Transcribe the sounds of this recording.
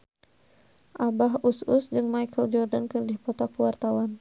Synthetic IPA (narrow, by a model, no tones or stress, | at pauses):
ʔabaɦususd͡ʒɨŋmajkʰəld͡ʒɔrdankɨrdihpɔt̪ɔkuwart̪awan